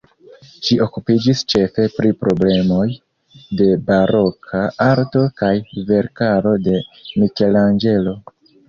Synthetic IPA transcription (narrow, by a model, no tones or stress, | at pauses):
ʃiʔo̞kupid͡ʒist͡ʃe̞fe̞pɾipɾo̞ble̞mo̞j | de̞baɾo̞kʰaaɾto̞kajve̞ɾkaɾo̞de̞mike̞land͡ʒe̞lo̞